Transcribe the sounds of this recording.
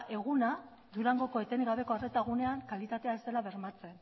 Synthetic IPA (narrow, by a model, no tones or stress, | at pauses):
ʔe̞ɣ̞una | d̪uɾaŋɡo̞ko̞e̞t̪e̞niɣaβe̞ko̞aret̪aɣ̞une̞aŋkalit̪at̪e̞aezt̪e̞laβe̞ɾmat͡se̞n